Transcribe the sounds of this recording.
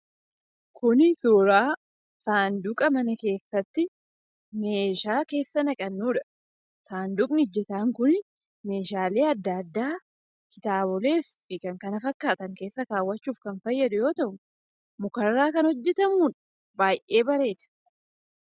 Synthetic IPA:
kʰʊnsuːɾaː | saːnd̪uːkʼɐmɐnɐke̞ːsːɐt̪ːɪ | me̞ːʃaːke̞ːsːɐnɐkʼɐnːuːᶑɐ̥ | saːnd̪ukʼnɪʊd͡ʒːɛt̪aːŋkʊn | me̞ːʃaːle̞ːɐd̪ːɐːd̪ːaː | kɪt̪aːbɔle̞ːfːɪkɐŋkɐnɐfɐkːaːt̪ɐŋke̞ːsːɐkaːwːɐt͡ʃːuːfkɐnfɐjːɐd̪ʊjo̞ːt̪ɐʔʊ | mʊkɐrːaːkɐnhɔd͡ʒːɛt̪ɐmuːᶑɐ̥ | baːjʔe̞ːbɐɾe̞ːd̪ɐ̥

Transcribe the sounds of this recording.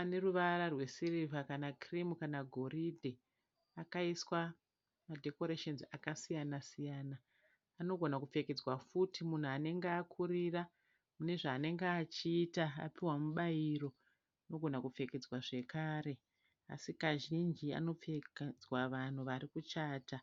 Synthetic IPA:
ane̞ruʋaɾarwe̞sirivakanakrimukanaɡʱo̞ridʱe | akaiswa | madʱe̞ko̞ɾeʃenzakasijanasijaːnaː | no̞ɡʱo̞nakup͡fe̞ked͡zwafutimun̤uane̞ŋɡeaːkʰuɾira | mune̞ʐaːne̞ŋɡeːt͡ʃiːtaa̰piwamuɓajiɾo̞ | ano̞ɡʱo̞nakup͡fe̞ked͡zwaʐe̞kaːɾe̞ | a̰sikaʒind͡ʒia̰no̞p͡feked͡zwaʋan̤uʋaɾikut͡ʃaːta

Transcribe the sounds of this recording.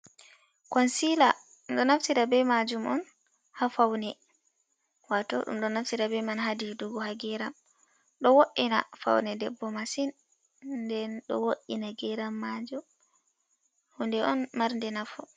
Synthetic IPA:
kɔnsila | umɗɔnaftiɾabɛmad͡ʒumʔɔn | hafawnɛ | watɔ̰ɗṵmɗɔnaftiɾabɛmanɦadiduɡɔhaɡɛɾam | ɗɔwoʔina̰fa̰wnɛdɛbːɔmasin | dɛnɗɔ̰woʔːinaɡɛɾamːad͡ʒu | hundɛʔɔnmaɾndɛnafɔ

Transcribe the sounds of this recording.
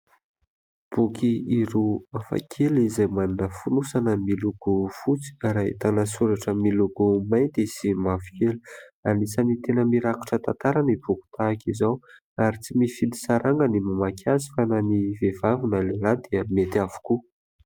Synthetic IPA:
b̥ukʰiiɾuafa̰kʰelizajmaninəfunusanəmiluɡ̥ufut͡si̥aɾaḭt̪anəsuɾaʈ͡ʂəmiluɡumajd̪esimavikeluanisənit̪enəmiɾaku̥ʈ͡ʂət̪ant̪aɾanib̥uku̥t̪ʰakizaw | aɾit͡simifid̪i̥saɾaŋɡənimamakʲʰazifananivevavunəlelad̪eəmet̪avu̥ku

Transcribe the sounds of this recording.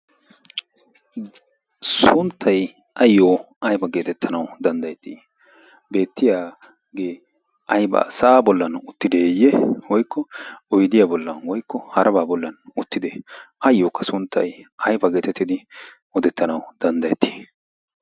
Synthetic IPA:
sʊnt̪ʰːɐj | ɐjːoː | ɐjbɐɡe̞ːt̪ɛt̪ʰːɐnɐwd̪ɐnd̪ɐjɛt̪ːiː | be̞ːt̪ːɪjaː | ɡe̞ː | ɐjbɐ̰sɐʔaːbɔlːɐnʊt̪ːɪd̪eːjːɛwɔjkːɔɔjd̪ɪjaːbɔlːɐnwɔjkːɔhɐɾʔɐbaːbɔlːɐnʊt̪ːɪd̪ɛɐjːoːkːɐsʊnt̪ːɐ̰jɐjbɐɡe̞ːt̪ɛt̪ːɪd̪ɪ | ɔd̪ɛt̪ːɐnɐwd̪̥ɐnd̪ɐjɛt̪ʰːi̥ː

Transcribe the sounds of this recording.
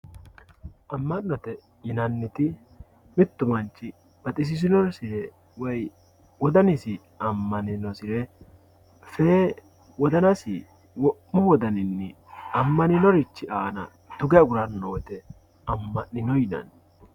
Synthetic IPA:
ʔɐmːɐnːɔt̪ɛ | jɪnɐnːɪt̪ɪ | mɪt̪ːʊmɐnt͡ʃːɪ | b̥ɐt̪ʼɪs̬ɪs̬ɪnɔɾsɪɾɛ | wɔj | wɔd̪ɐnɪsɪ | ɐmːɐnɪnɔsɪɾɛ | feː | wɔd̪ɐnɐsɪ̰ | wɔʔːʊwɔd̪ɐnɪnːɛ | ɐmːɐnɪnɔɾɪt͡ʃːɪʔaːnɐ̰ | t̪ʊɡɛɐɡʊɾɐnːoːt̪ɛ | ɐmːɐnːɪnɔjɪnɐ̰n

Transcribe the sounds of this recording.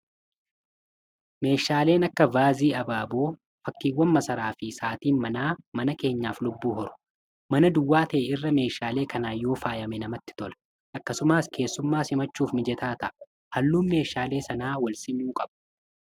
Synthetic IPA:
me̞ːʃaːle̞ːnɐkːɐvaːziːɐbaːboː | fɐkːiːwːɐnmɐsɐɾaːfɪsaːt̪iːnmɐnaːmɐnɐke̞ːɲːaːflʊbːuːhɔɾʊ̥ | mɐnɐd̪ʊwːaːt̪ɐʔɛɪrːɐme̞ːʃaːle̞ːkɐnaːjːo̞ːfaːjɐmɛnɐmɐt̪ːɪ̥t̪ɔlɐ̥ | ʔɐkːɐsʊmaːskʰe̞ːsːʊmːaːshɪmɐt͡ʃːuːfmɪd͡ʒɛt̪aːt̪ɐ̰ʔɐ | hɐlːuːnme̞ːʃaːle̞ːsɐnaːwɐlsɪnuːkʼɐbʊ̥

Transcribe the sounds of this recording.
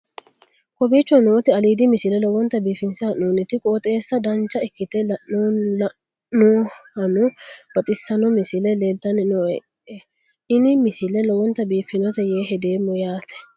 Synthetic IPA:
kʼɔbiːt͡ʃːɔnoːt̪ɛɐliːd̪ɪmɪsɪlɛlɔwɔnt̪ːɐbiːfːɪnsɪɐʔuːnɪt̪ɪkʼoːt̪ʼe̞ːsːɐd̪ɐnt͡ʃːɐɪkːɪt̪ɛlɐʔːoːlɐ | oːhɐnʊb̥ɐt̪ʼɪsːɐnɔmɪsɪlɛleːt̪ːɐnɪnɔɛ | ɛ | ɪnɪmɪsɪlɛlɔwɔnt̪ːɐbiːfːɪnɔt̪ɛjeːɦɛd̪eːmːɔjaːt̪ɛ̥

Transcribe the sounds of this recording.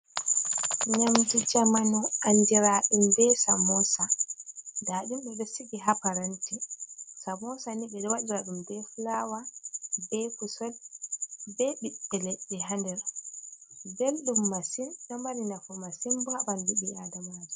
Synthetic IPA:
ɲamdid͡ʒamanɔandiɾaɗimbɛsamɔsa | daɗumɓɛɗɔsiɡiɦapaɾantisamɔsaniɓɛɗɔwaɗiɾaɗumdɛfulawabɛkusɔl | bɛɓiɛlɛɗɛɦandɛɾa | belɗumːasimɗɔmaninafɔmasimbabanduɓiadamaad͡ʒɛ

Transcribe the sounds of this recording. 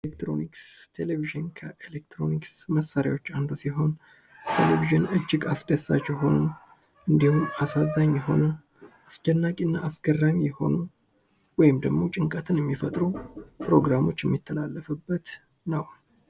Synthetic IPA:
elekt̪ɾo̞̰nikst̪ʰe̞leviʒɨnkʰəʔelek̚t̪ʰɾo̞niksməsaɾja̰wo̞t͡ʃːand̪usiɦo̞n | t̪ʰḛleviʒɨnɨd͡ʒːɪɡasd̪əsːa̰t͡ʃːjɛɦo̞nu | ʔɨnd̪ihumasazaɲːjɛɦo̞̰nu | ʔast͡ʃɛnːakʼiɨnːaːsɡərːamijɛho̞̰nu | wɔjɪmd̪əɡmo̞t͡ʃʼɪŋkʼət̪ʰɨnjɛmːifət̪ʼɾupʰɾo̞ɡɾamo̞t͡ʃːjɛmːit̪ʰːəlalːəfɨbːət̪ | nəw

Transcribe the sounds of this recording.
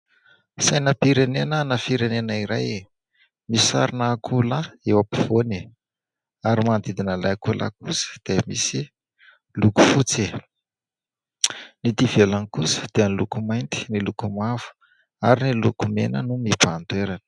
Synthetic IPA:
sajnəpiɾenenənəfiɾenenəiɾaj | misa̰ɾinakulaewapi̥v̥one | aɾimand̪id̪inəlajkulʔa̰kusə̥d̪̥emisi | luku̥fut͡se | nit̪ivelanikusə̥d̪̥eənilukumajnt̪i̥nilukumavu̥ | aɾinilukumḛnə̰numipand̪weɾanə̥

